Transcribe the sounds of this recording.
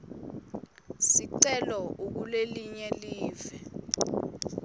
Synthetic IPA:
siǀɛlɔuk̬uleliɲɛliːvɛ

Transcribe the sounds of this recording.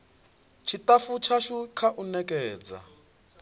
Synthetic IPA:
t͡ʃʰitʼafut͡ʃʰaʃukʰaʔunɛkʼɛːd͡za̰

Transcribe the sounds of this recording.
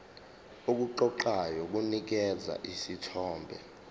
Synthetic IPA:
ok̬uǃɔǃajɔk̬unik̬ɛd͡za̰ʔisitʰɔːmbʱɛ̰

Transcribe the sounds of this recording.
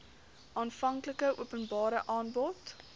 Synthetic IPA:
ʔɑːnfɐŋkləkəʔṵəpənbɑːɾəʔɑːnbɔt

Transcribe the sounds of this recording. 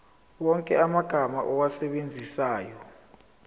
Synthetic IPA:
wɔŋkʼɛ̰amaɡ̥ʱamaʔɔwasɛɓend͡zʱisaːjɔ

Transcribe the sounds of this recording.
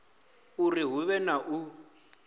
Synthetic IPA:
uriɦuβɛnaʔu

